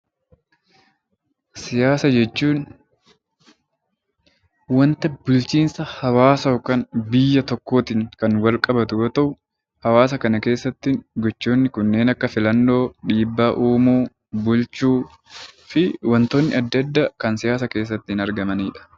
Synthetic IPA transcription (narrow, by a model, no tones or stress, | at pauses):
sɪjaːsɐd͡ʒɛt͡ʃːuːn | wɐnt̪ɐbʊlt͡ʃiːnsɐhɐwaːsɐɔkːɐnbɪjːɐt̪ɔkːo̞ːt̪ɪŋkɐnwɐlkʼɐbɐt̪ʊɡɔt̪ɐʔʊ | hɐwaːs̬ɐkɐnɐke̞ːsːɐt̪ːɪŋɡɔt͡ʃːo̞ːnːɪkʊnːe̞ːnɐkːɐfɪlɐnːo̞ːᶑiːbːaːʔuːmuː | bʊlt͡ʃuː | fɪwɐnt̪oːnːɪɐd̪ːɐd̪ːakɐnsɪjaːs̬ɐke̞ːs̬ːɐt̪ːɪhɪnɐɾɡɐmɐniːᶑɐ̥